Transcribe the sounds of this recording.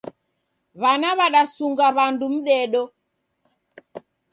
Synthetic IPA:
βanaβaɗasuŋɡaβandum̩ɗɛɗɔ

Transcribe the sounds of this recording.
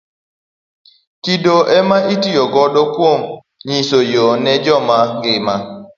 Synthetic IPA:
kidoʔɛmaʔitijɔɡɔdɔkwom | ɲisojonɛd͡ʒɔmaɡɪma

